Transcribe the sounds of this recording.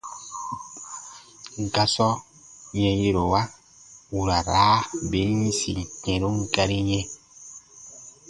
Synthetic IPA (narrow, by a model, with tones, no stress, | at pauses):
ŋ̩˨ka˦sɔ˦ | ɲɛ̃˨je˦ɾo˨wa˦ | wu˨ɾa˨ɾaː˨˦be˨˦ɲĩ˦sḭ˨kɛ̃˨ɾo˦ŋ̩˦ka˦ɾi˦ɲɛ̃˦